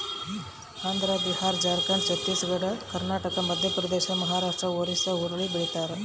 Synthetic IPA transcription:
aːnd̪ɾaːd̪ihaːɾd͡ʒaːɾkaːnt͡ʃɐt̪ːisɡɐɽɐkɐɾnaːʈɐkɐmɐd̪ʱjɐpɾɐd̪eːʃɐɐmɐɦaːɾaːʂʈɾɐoːɾisɐuɾɐɭibiɭit̪aːɾe

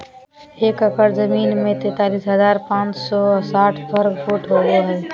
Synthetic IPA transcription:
ɦɪkəkəɾzɐmiːnmẽt̪eːt̪aːliːsɦɐzaːɾpãːt͡ʃsɔːsaːʈʰpɐɾɡfuːʈʰɦoːdoaːɦeː

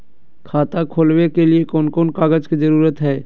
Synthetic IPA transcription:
kʰaːt̪akʰoːlwekeliekɔːnkɔːnkaːɡəd͡ʒkid͡ʒɐɾuːɾət̪ɦɛː

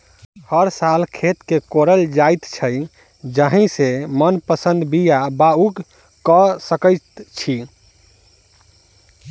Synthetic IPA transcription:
həɾsalkʰet̪kekoɾəld͡ʒajt̪t͡ʃʰəj | d͡ʒəɦĩsemənpəsə̃nd̪bijabauɡ | kəsəkəɪt̪t͡ʃʰi

